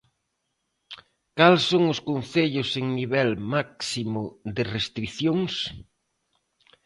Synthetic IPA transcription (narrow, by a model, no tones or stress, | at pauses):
kalsoŋʊskonθeʎʊseŋniβɛlmaksimʊðɪrest̪ɾiθjoŋs